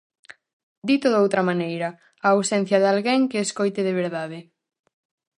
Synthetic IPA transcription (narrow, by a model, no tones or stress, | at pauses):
d̪it̪oðowt̪ɾɐmanejɾɐ | awsɛn̟θjɐðalɣeŋkeːskojt̪eðeβ̞eɾðaðɪ